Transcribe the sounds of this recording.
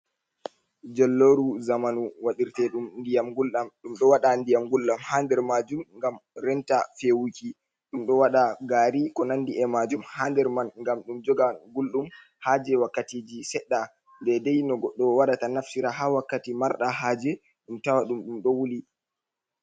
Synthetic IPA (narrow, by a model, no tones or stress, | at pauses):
d͡ʒɛlːoɾuzamanuwaɗiɾtɛɗumndijamɡulɗamɗumɗɔwaɗandijamɡulːamhandɛɾmad͡ʒumŋɡamɾɛntafewuki | ɗumɗɔwaɗaɡaɾikɔnandiʔɛmad͡ʒumhandɛɾmanŋɡamɗumd͡ʒɔɡaɡulɗum | had͡ʒɛwakːatid͡ʒisɛɗːa | ndɛdɛjnɔɡɔɗːɔwaɗatanafsiɾaɦawakːatimaɾɗaɦaːd͡ʒɛ | ɗumtawaɗumɗumɗɔwuli